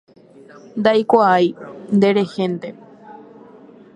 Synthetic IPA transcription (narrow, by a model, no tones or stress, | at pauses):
nd̪ajkʷaajnd̪e̞ɾe̞hẽ̞nd̪e